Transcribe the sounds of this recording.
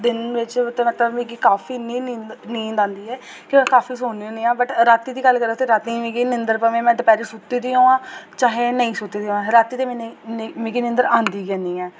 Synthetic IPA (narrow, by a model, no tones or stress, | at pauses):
d̪ɪnʋɪt͡ʃt̪ːmət̪ləbmẽːkiːkaːfʰiːnːĩːniːnĩːd̪ãːnd̪iːɛː | kɪ̃ːkaːfʰiːs̬oːniːoːniːãːbəʈɾaːt̪iːd̪iːɡəlːkəɾat̪eːɾaːt̪ĩːmĩːkiːnɪnd̪əɾpəʋẽːmɛ̃ːd̪əpɛːɾiːsʊt̪ːiːd̪iːoːãːt͡ʃaːɦẽːnəĩːsʊt̪ːiːd̪iõːãːɾaːt̪ːiːt̪eːmɛːnemẽːkiːnɪ̃nd̪əɾãːnd̪iːɡɛ̃ːniːɛ̃ː